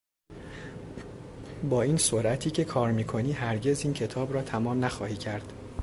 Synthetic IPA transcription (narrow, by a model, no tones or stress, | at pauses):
bɒːiːnsoɾʔæt̪ʰiːcʰe̞kʰɒːɾmiːkʰo̞niːɦæɾɟe̞ziːncʰe̞t̪ʰɒːbɾɒːt̪ʰæmɒːmnæxɒːhiːcʰæɾd̪̥